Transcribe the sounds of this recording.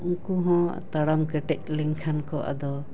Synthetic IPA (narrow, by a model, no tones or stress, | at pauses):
ukuɦɔ̰̃t̪aɽamkɛʈɛc̚lɛŋkʰankɔʔa̰d̪ɔ